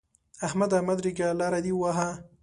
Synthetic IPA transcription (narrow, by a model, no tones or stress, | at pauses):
ahmad̪amad̪ɾiɡalaɾad̪iwaɦa